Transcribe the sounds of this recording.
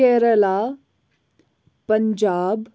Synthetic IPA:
ɛːɾəlaː | pəɲd͡ʒaːb

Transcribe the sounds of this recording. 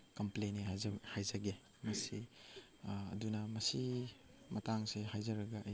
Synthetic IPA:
kɐmplenehajzɐɡe | mɐsi | ɐ̰dunɐmɐsi | mɐtaŋseɦajzɐɾɐɡɐʔɐ

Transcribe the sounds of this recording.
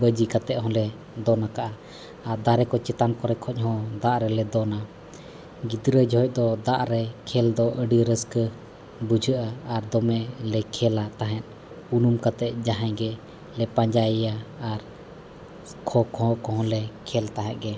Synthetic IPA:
bəd͡ʒikat̪ɛʔ̪̚ɦɔ̃lɛ | d̪ɔnakaʔaː | ɾd̪aɾɛkɔt͡ʃɛt̪ankɔɾɛkʰɔc̚ɦɔ̃d̪aʔɾɛlɛd̪ɔna | ɡid̪ɾəd͡ʒɔɦɔc̚ˀd̪ɔd̪aʔɾɛkʰɛld̪ɔʔəɖiɾəskə | bud͡ʒʱəʔaːɾd̪ɔmɛlɛkʰɛlat̪aɦɛ̃t̪̚ˀ | unumkat̪ɛt̪̚ˀd͡ʒaɦãɡɛ | lɛpaɲd͡ʒajaːɾ | kʰɔkɔɦɔ̃kɔɦɔ̃lɛkʰɛlt̪aɦɛ̃ʔ̪̚ɡɛ

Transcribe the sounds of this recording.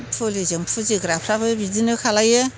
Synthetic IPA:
pʰulizɯmpʰuziɡɾapʰɾabɯbizinɯkʰalajɯ

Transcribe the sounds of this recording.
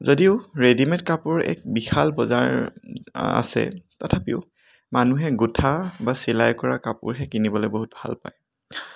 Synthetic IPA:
zodiʊɹedimɛntkapʊɹɛ̰k̚bixʰalbɔza̰ɹ | a̰sɛ̰tɔtʰapḭʊ | manuɦɛɡutʰabasilajkɔɹakapʊ̰ɹɦɛkinibɔlɔboɦut̚bʱa̰lpa̰j

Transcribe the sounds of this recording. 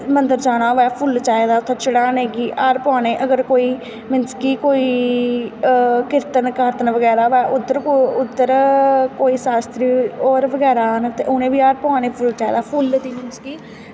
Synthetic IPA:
mənd̪əɾt͡ʃaːɽ̃aːʋɛːpʰʊlt͡ʃaːed̪aːʊt̪ʰːaːt͡ʃəɽaːneːɡiːʔaːɾpãːneːʔəɡəɾkoːiː | mɪnskiːkoːiː | kɪɾt̪ənkaːɾt̪ənʋəɡɛːɾaːʋɛːʔʊd̪əɾkoʊd̪ːəɾkoːiːsaːst̪ɾiːɔːɾʋəɡɛːɾaːnt̪eːʔʊnẽːʋiːaːɾpãːneːpʰʊlt͡ʃaːḛd̪aːpʰʊld̪iːmɪnskiː

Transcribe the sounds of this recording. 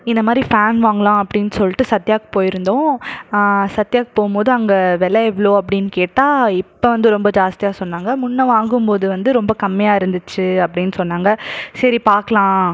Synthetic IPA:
ɪnd̪ɐmaːd̪ɾifaːnʋaːŋɡɐɭãːɐpːɐɽɪnːɯsɔlːɪʈːɯsɐt̪ːɪjaːkɯ̥poːjɪɾɯnd̪õː | sɐt̪ːɪjaːk̚poːɣɯmpoːðɯɐŋɡɐʋɛlɐɛʋloːɐp̬ːɐɽɪnːɯkeːʈːaːɪpːoʋɐnd̪ɯɾɔmbɐd͡ʒaːst̪ɪjaːsɔnːaːŋɡɐmʊɳːɐʋaːŋɡɯmpoːðɯʋɐnd̪ɯɾɔmbɐkɐmːɪjaːɪɾɯnd̪ɯt͡ʃːɯɐpːɐɽɪnːɯsɔnːaːŋɡɐsɐɾipaːɾkɐɭãː

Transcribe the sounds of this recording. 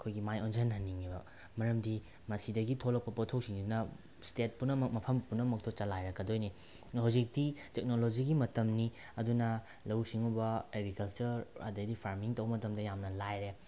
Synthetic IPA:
ɐkʰojɡimajonsʰɐnɦɐnːiŋibɐ | mɐɾɐmdi | mɐsidɐɡitʰolɐk̚pɐpotʰoksiŋsinɐ | stet̚punɐmɐmɐpʰɐmpunɐmɐk̚tʰot͡ʃɐlajɾɐkɐdojni | hawzik̚ditek̚nolod͡ʒiɡimɐtɐmni | ɐdunɐ | lɐwsiŋubɐeɡɾikɐlt͡ʃɐɾa̰dɐdipʰaɾmiŋtɐwbɐmɐtɐmdɐjamnɐlajɾe

